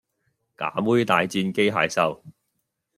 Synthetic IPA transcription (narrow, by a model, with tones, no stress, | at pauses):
ka̰ː˨˥muː˥jt̪aː˨˧jt͡siː˧nke˥jɦa̰ː˨˧jsɐ˥w